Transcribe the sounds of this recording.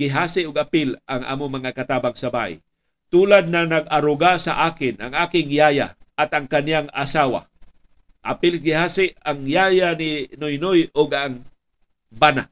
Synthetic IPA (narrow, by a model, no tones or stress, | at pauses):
ɡɪɦaːsɪʔʊɡ̚apɪlaŋʔa̰ːmomaŋakat̪aːbaŋsabaʔɪ̰ | t̪uːlad̪̚nanaɡ̚aɾʊɡasa̰ʔaːkɪnaŋaːkɪŋjaja̰ʔat̪aŋkanjaŋasaːwa̰ | ʔapɪlɡɪhaːsɪʔaŋjajanɪnʊjnojʊɡaŋ | bana